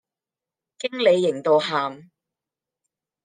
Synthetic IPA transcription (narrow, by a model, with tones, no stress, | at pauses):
kɪ˥ŋle˨˧jːɪ˨˩ŋt̪o˨wɦaː˨m